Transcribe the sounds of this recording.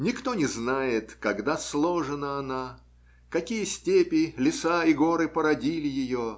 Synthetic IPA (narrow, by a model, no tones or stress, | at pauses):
nʲɪkt̪onʲɪznajɪt̪kɐɡd̪aslˠoʐɨnəɐna | kɐkʲijəsʲtʲepʲɪlʲɪsaɪɡoɾɨpəɾɐdʲilʲɪjɪjo